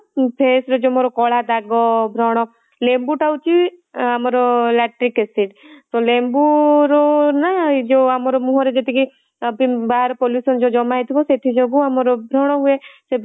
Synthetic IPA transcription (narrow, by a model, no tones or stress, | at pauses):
pʰesɾɔd͡ʒomoɾɔkɔɭad̪aɡɔbʱɾɔɽ̃ɔ | lembuʈawt͡ʃʰi | amɔɾɔlaʈɾikesiʈt̪ɔlembuɾɔnad͡ʒoamɔɾɔmuɦɔɾed͡ʒet̪iki | bibaɾpɔlisɔnd͡ʒod͡ʒɔmajt̪ʰibɔset̪ʰid͡ʒoɡuamɔɾɔbʱɾɔɽ̃ɔɦuese